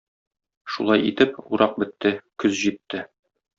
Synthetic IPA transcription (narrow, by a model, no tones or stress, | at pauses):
ʃṵlˠɑjit̪ɘpṵɾʔɑq̚bɘ̆t̪ːɘkɵzʑit̪ːɘ